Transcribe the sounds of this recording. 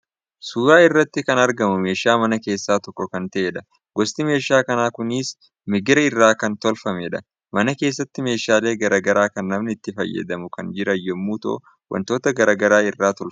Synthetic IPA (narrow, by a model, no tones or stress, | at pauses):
suːɡaːɪrːɐt̪ːɪkɐnɐɾɡɐmʊme̞ːʃaːmɐnɐke̞ːsːaːt̪ɔkːɔkɐnt̪ɐʔeːᶑɐ | ɡɔst̪ɪme̞ːʃaːkɐnaːkʊnɪs | mɪɡɪɾɐɪrːaːkɐnt̪ɔlfɐmɛᶑɐ | mɐnɐke̞ːsːɐt̪ːɪme̞ːʃaːle̞ːɡɐɾaːɡɐɾaːkɐnːɐmnɪt̪ːɪfɐjːɐ̰d̪ɐmʊkɐnd͡ʒɪɾɐjɛmːuːt̪o̰ | wʔɐ̰nt̪o̞ːt̪ɐɡɐɾaːɡɐɾaːɪrːaːt̪ɔlf